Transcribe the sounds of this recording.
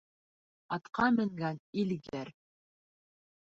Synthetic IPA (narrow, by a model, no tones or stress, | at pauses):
ɑt̪qɑmɘ̆ŋɡænilɡæɾ